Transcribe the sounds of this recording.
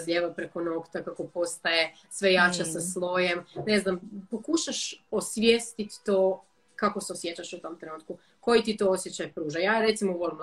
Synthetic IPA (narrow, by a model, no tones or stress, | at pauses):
zlʲʎeʋapɾeko̞nokt̪akako̞po̞st̪aje | sʋe̞jat͡ɕasaslˠo̞jemneznampo̞kuʃaʃosʋʲjest̪it̪ːoː | kako̞seo̞sjet͡ɕaʃut̪o̞mt̪ɾe̞nuːt̪ku | ko̞jit̪it̪o̞osjet͡ɕajpɾuːʒajaːɾe̞t̪simoʋolˠim